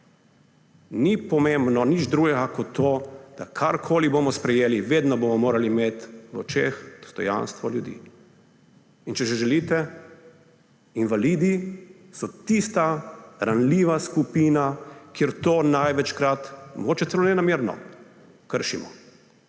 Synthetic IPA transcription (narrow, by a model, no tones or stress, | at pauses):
nipɔmẽmbnɔnid͡ʒd̪ɾuɡɛɡakɔt̪ʰːoːd̪̥akʰaɾkʰoːlibomɔspɾɛjeːliʋeːd̪nɔbomɔmoːɾalimeːt̪ʋɔ̰t͡ʃeːxd̪̥ɔ̥st̪ɔ̰ja̰nst̪ʋɔljud̪ḭː | int͡ʃɛʒɛʒɛliːt̪ɛ | inʋaliːd̪i | sɔt̪ist̪aɾanliːʋaskupiːnakeɾt̪oːnajʋɛt͡ʃkɾat̪mɔɡoːt͡ʃɛt̪sɛlonɛnameɾnɔ̰ | kəɾʃimɔ̰